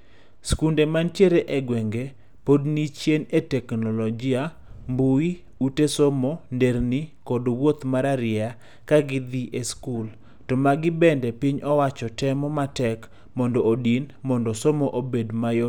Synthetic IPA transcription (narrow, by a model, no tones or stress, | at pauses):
skundemantjeɾeʔeɡwɛŋɡe | podnit͡ʃjenetɛknɔlɔd͡ʒia | mbui | utesomondeɾnikɔdwot̪maɾaɾɪa | kaɡɪd̪iʔeskul | tɔmaɡɪbɛndɛpiɲɔwat͡ʃɔtɛmɔmatɛk | mɔndɔodinmɔndɔsomoʔobedmajo